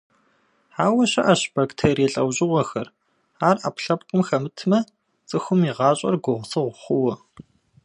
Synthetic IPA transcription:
ħaːwɐɕɐʔɐɕb̥aktʰeːɾjɛːɬʼɐwʑʼɪʁʷɔxɐr | aːra̰ːpɬɐpqʼʊmxɐmɨtʰmɐ | t͡sʼɨxʷʊmiʁɑːɕʼɐ̰rɡʷʊʁsɨʁʷʊχʷʊwɐ

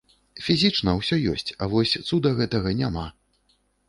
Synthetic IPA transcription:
fʲizʲit͡ʂnɐwsʲɔjɔsʲt͡sʲɐvɔsʲt̪sud̪ɐɣɛt̪ɐɣɐnʲama

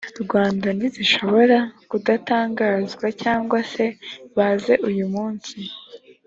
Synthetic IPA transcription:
ɾɡwaːndaniziʃo̞βo̞ɾakudataːŋɡaːzɡwacaːŋɡwase̞βaːze̞ʔujumuːnsi

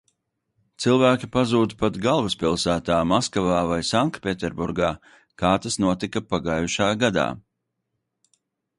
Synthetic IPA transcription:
t̪silˠvæːkʲipazuːd̪pat̪ɡalˠvaspilˠsæːt̪aːmaskavaːvajsaŋkpʲet̪ɛɾbuɾɡaː | kaːt̪asnuɔt̪ikapaɡaːjuʃaːɡad̪a̰ː

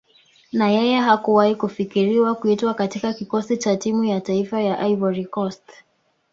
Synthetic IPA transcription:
najɛjɛɦakuwahikufikiɾiwakuitwakatikakikɔsit͡ʃatimujataifajaʔaivɔɾikɔst

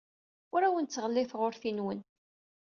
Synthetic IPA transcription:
ʊɾæwənt͡sːʁəlːɪθʁʊɾθinwən

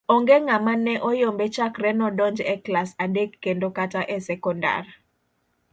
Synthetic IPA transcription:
ɔŋɡeŋamanɛʔɔjombet͡ʃakrɛnɔdɔnd͡ʒɛklasadekːendokataʔɛsɛkɔnda̰r

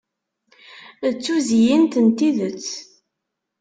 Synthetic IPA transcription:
ət͡sːuzijint̪ənt̪iðət͡sː

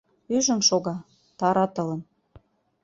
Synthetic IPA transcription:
yʒə̆nʃoɣɑ | t̪ɑɾɑt̪ɤ̆lə̆n

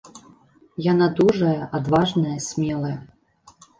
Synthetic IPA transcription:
janad̪uʐɐjɐʔad̪vaʐnɐjɐsʲmʲɛlˠɐjɐ

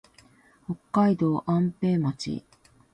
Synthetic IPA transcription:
ho̞kːaid̪o̞ːʔãmpe̞ːmat͡ɕḭ

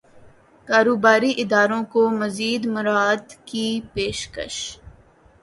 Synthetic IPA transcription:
kaːɾoːbaːɾiʔɪd̪aːɾõkomɐziːd̪mʊɾaːd̪kipeːʃkə̰ʃ

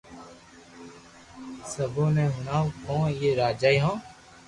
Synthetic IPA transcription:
səbõːnẽɦʊnaːkõːjeːɾaːd͡ʒaːiɦõː

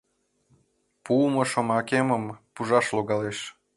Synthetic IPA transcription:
puməʃomɑkeməmpuʒɑʃloɣɑleʃ

